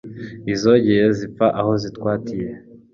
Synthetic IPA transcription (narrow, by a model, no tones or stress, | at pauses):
izo̞ɟejezip̪p͡faʔaho̞zitkwaːtije